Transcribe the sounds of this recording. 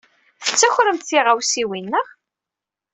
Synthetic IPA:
θə̥t͡sːæçʷɾəmt̪θiʁawsiwinːəʁ

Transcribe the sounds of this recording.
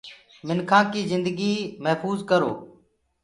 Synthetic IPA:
mɪnkʰãːkiːzɪnd̪əɡiːməɦfuːzkəɾo̰ː

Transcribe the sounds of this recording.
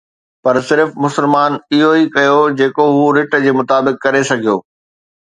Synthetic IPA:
pɐɾsɪɾfmʊsəlmaːnɪɦoikɐjod͡ʑeːkoɦuːɾɪʈd͡ʑeːmʊt̪aːbɪkːɐɾesɐɡʱijoː

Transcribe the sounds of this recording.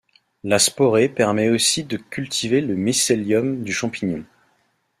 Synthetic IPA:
laspɔʁepɛʁmɛosid̪əkʲylt̪ʰiveləmiseljɔmd̪yʃɑ̃piɲjɔ̃

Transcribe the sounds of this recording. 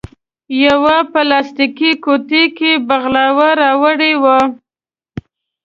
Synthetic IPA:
jawapəlɑst̪ikikot̪ekebaɣlɑwaɾɑwəɽewa

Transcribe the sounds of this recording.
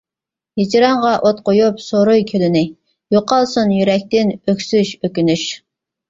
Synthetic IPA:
hid͡ʒiɾɑɴʁɑʔot̪̚qojupsoɾojkʲʰølɪnɪ | joqɑlˠsunjyɾɛk̚ʲt̪ɪnøkʲsyʃøkʲynyʃ

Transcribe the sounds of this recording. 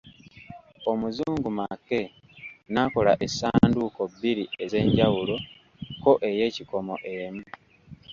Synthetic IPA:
o̞muzuːŋɡumakːe̞ | nako̞laʔesaːnduːko̞bːiɾie̞ze̞ːɲɟawulo̞ | ko̞ʔe̞je̞ːciko̞mo̞̰ʔe̞mu

